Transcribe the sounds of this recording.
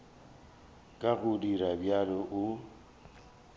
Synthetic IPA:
kʼaɣʊdiɾabjalɔʔʊ

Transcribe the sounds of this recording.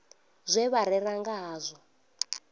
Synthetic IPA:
zʷɛβaɾɛraŋɡaɦaːzʷɔ

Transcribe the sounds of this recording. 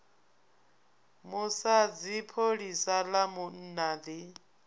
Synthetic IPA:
musad͡zipʰoɺisalamun̩nad̪i

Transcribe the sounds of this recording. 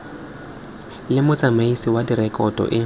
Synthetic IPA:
lɪmʊt͡sʼamaisiwadirɛkʼɔdʼɔ̰ʔɪ

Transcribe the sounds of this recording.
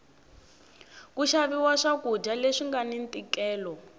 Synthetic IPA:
k̬uʃaβiwaʂakud͡ʒaleʂiŋɡanint̪ʼikɛːlɔ

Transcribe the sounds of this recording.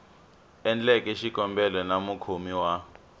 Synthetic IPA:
ɛnd͡ɮɛkʼɛʃikʼɔmbɛlɛnamukʰomiwa

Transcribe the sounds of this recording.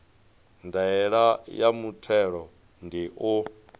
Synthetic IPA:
ndaɛɺajamutʰɛɺɔ | ndiʔo

